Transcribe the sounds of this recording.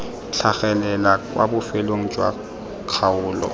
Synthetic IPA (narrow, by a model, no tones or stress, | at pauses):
t͡ɬʰaɣɛlɛlakʼwa̰bʊfeloŋ̩t͡ʃʼwa̰ | kʰaʊːlɔ̰